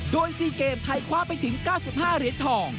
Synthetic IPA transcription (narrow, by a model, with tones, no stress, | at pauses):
doː˧jsiː˧˩keː˨˩mt̪ʰa˧jkʰwaː˦˥pa˧jt̪ʰɯ˩˦ŋkaː˥˩wsi˨˩p̚haː˥˩ɾi˨˦˥t̪̚t̪ʰɔː˧˩ŋ